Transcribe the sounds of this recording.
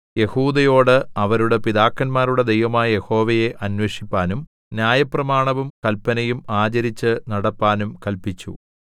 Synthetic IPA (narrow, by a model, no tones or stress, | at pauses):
je̞huːd̪ɐjo̞ːɽɨɐʋɐɾuɽe̞piðaːkːɐnmaːɾuɽe̞d̪ejʋɐmaːjɐje̞ho̞ːʋɐje̞ʔɐnweʂipːaːnum | njaːjɐprɐmaːɳɐʋumkɐlpːɐnɐjumaːt͡ɕɐɾit͡ɕːɨnɐɽɐpːaːnumkɐlpit͡ɕːṵ